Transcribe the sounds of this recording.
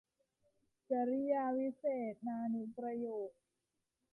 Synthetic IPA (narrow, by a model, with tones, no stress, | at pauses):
t͡ɕa˨˩˦ɾi˦˥jaː˧wi˦˥seː˨˩t̪̚naː˧nu˨˦pɾa˧joː˨˩k̚